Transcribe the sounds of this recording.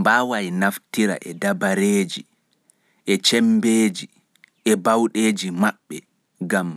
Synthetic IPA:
mbaːwajnaftiɾa̰ʔɛdabaɾeːd͡ʒi | ʔɛt͡ʃɛmbeːd͡ʒi | ɛbawɗeːd͡ʒimaɓːɛ | ɡam

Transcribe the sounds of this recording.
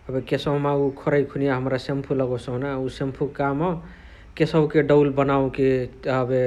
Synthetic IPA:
əbekesɔwmaukʰoɾajkʰunijaɦəmɾasempʰuləɡɔsə̃ɦnausempʰukamɔ | kesəkeɖəlbənaũkiəbe

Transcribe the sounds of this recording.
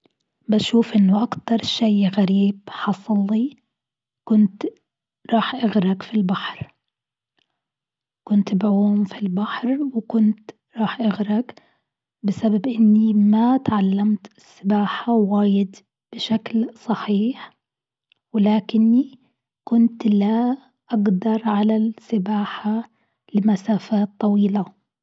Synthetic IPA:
baʃuːfʔɪnːʊʔakt̪ɑɾˤʃajɣaɾiːbħɑsˤlːi | kʊnt̪ | ɾˤɑːħʔaɣɾɑkfilbaħɾ | kʊnt̪bʕuːmfilbaħɾwkʊnt̪ | ɾˤɑːħʔaɣɾɑk | bɪsababʔɪnːimat̪ʕalːamt̪ɪsːɪbaːħawaːjɪd̪ | b̥ɪʃaklsˤɑħiːħ | wɪlaːkɪnːi | kʊnt̪la | ʔaɡd̪ɑɾˤʕalasɪbaːħa | lɪmasaːfaːt̪ˤːɑwiːla

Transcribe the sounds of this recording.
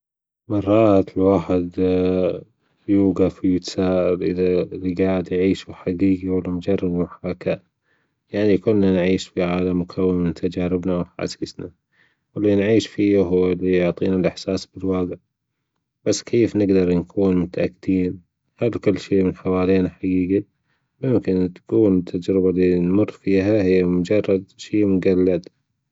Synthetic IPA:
mɑrˤːɑːt̪lwaːħɪd̪ | juːɡafjɪt̪ḁsaːʔɪɾʔɪ̰ðaɾɪɡaːɪd̪jʕiːʃuħaɡiːɡiwɪlmʊd͡ʒɑrˤːɑbmʊħakaʔ | jaʕnikʊlːanʕiːʃfiʕaːlamːʊkʰawːɪmɪnt̪ʰad͡ʒaːɾɪbnawħa̰sisna | wɪlːinʕiːʃfiːɦʊwːlːijʊʕt̪ˤiːnalʔɪħsaːsbɪlwɑːɡɪʕ | b̥asːkʰeːfnɪɡd̪ɑɾˤnkʰuːnmʊt̪aʔakːd̪iːn | halkʊlːʃeːmɪnħawaːleːnaħaɡiːɡi | mʊmkɪnt̪kuːnt̪ʰːad͡ʒɾɪbalinmʊrˤːfiːɦahɪjːamʊd͡ʒɑrˤːɑd̪ʃeːmʊɡalːad̪

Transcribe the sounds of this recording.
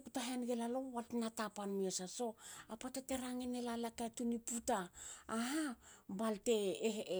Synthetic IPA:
kutaɦenɡelalo̞waltnatapanmiesaso̞apatate̞ɾaŋenelalakatuniputaːɦabalte̞

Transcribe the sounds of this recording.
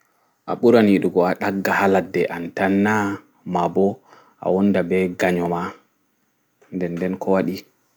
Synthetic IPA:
ʔa̰ɓuɾaniɗuɡɔaɗaɡːahaladːɛʔantanːa | mabɔ | ʔa̰wɔndabɛɡaɲɔma | ndɛndɛnkʰɔwaɗi

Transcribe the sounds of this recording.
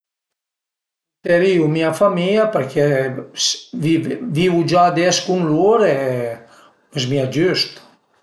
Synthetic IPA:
t̪ɛɾiumiafamiapɛɾkɛ | vvivud͡ʒad̪ɛskunluɾɛ | ɛsmiad͡ʒyst̪

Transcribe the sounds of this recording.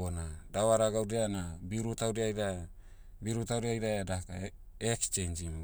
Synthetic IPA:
onadaβaɾaɡaudeanabiuɾutawɾeajɾa | biɾutawɾeajɾaadaka | ekst͡ʃend͡ʒim

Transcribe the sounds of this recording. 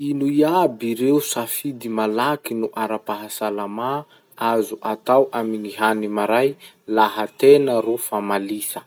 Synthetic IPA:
inuiabiɾeusafid̪imalakinuʔaɾapaɦasalama | azuʔat̪awʔamiŋiɦanimaɾaj | laɦat̪enəɾufamalisə̥

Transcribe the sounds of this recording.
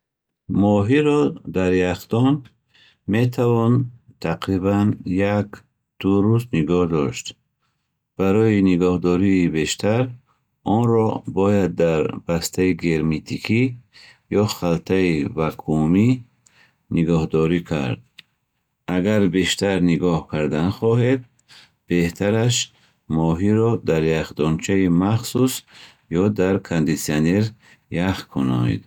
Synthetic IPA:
mɔɦiɾɔd̪aɾjaχd̪ɔn | me̞t̪ʰavɔnt̪ʰaqɾibanjak | d̪̥uɾust̪niɡɔhd̪ɔʃt̪ | b̥aɾɔjiniɡɔhd̪ɔɾiːbe̞ʃt̪ʰaɾ | ɔnɾɔbɔjad̪ːaɾb̥ast̪ʰaiɡeɾmet̪ʰikʰi | jɔχalt̪ʰaivakʰumi | niɡɔhd̪ɔɾikʰa̰ɾd̪̚ | aɡaɾbeʃt̪ʰaɾniɡɔhkʰaɾd̪anχɔɦed̪̚ | b̥e̞ht̪ʰaɾaʃ | mɔɦiɾɔd̪aɾjaχd̪ɔnt͡ʃʰaimaχsus | jɔd̪aɾkʰand̪isianeɾ | jaχkʰunɔ̰n̰d̪

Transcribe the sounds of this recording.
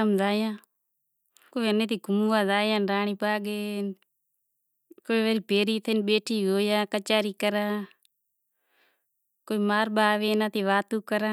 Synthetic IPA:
əmzaːjãː | koːiənẽːt̪iːɡʊmuːãːzaːjãːnɾaːɳ̃iːpaːɡeːn | koːiʋaːɾiːpeːɾiːt̪ʰenɓeːʈʰiːɦoːjãːkət͡ʃaːɾiːkəɾãː | koːiːmaːɾɓaːʋeːnãːt̪iːʋaːt̪uːkəɾãː

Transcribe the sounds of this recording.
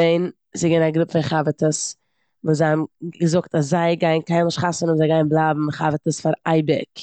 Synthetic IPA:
eɪn | zɪɡɛnaɡɾɪpfɪχavətəs | vuːzaɪhamɡəzʊktaszaɪɡaɪnkaɪnlˠɪʃχasənɔmzaɪɡaɪnblˠaːbm̩χavətəsfaɾaɪbɪ̰k

